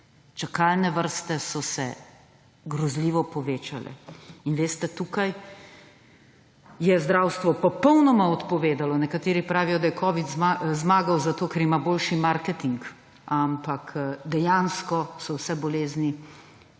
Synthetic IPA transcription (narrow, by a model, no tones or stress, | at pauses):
t͡ʃakalnɛʋəɾst̪ɛsɔsɛ | ɡɾɔzliːʋɔpɔʋeːt͡ʃalɛ̰inʋeːst̪ɛt̪uːkaj | jɛzd̪ɾaːwst̪ʋɔpɔpɔwnɔmaɔt̪pɔʋeːd̪alɔnɛkat̪eːɾipɾaːʋijɔd̪ajɛkʰɔːʋid̪zazmaːɡawzat̪oːkɛɾimaboːlʃimaɾkɛt̪iŋk | ampakd̪ɛjanskɔsɔwsɛbɔleːzni